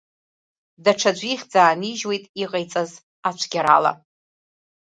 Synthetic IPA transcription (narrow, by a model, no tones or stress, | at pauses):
daʈ͡ʂʰad͡ʒʷiχʲd͡zaːniʒwe̞jtʼiqʼajt͡sʼaz | at͡ʃʷʰɡʲaɾa̰la̰